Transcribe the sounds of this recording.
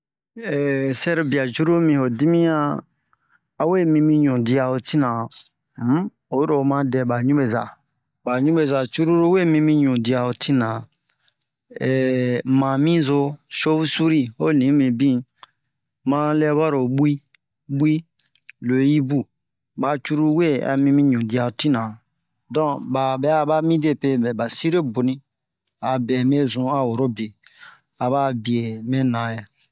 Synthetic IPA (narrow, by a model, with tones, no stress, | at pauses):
ɛ˨sɛ˦ɾi˧bi˨a˨d͡ʒu˦ɾo˦mĩ˧ho˨di˦mĩ˦ã˧ | a˨we˦˨mĩ˧mĩ˧ɲũ˨di˧a˨o˨tʰi˦nã˨ | m̩˦ | o˨˦ɾo˨mã˦dɛ˧ba˨ɲũ˦be˨za̰˨ | ba˨ɲũ˦be˨za˨t͡ʃu˦ɾu˦ɾo˦we˦˨mĩ˧mĩ˧ɲũ˨di˧a˨o˨tʰi˦nã˨ | ɛ˨mã˨mĩ˦zo˧ʃo˦βu˦su˦ɾi˦o˦˨nĩ˨˦mĩ˨bĩ˦ | mã˦lɛ˦bɔ˦ɾo˨ɓu˦i˦ | ɓwi˦ | lo˨˦ji˦bu˦ | ba˨t͡ʃu˦ɾu˦we˦˨a̰˨mĩ˧mĩ˦ɲũ˨di˨˦a˧˨o˨ti˦nã˨ | dɔ̃˦˨ba˨bɛ˨˦a˦ba˦mĩ˦de˦˨pe˦bɛ˨ba˨si˦ɾe˦bu˨nĩ˦ | a˨bɛ˨mẽ˦zũ˨˦a˨wo˨ɾo˦be˨ | a˨ba˦bi˨e˨mẽ˦nã˨jɛ˨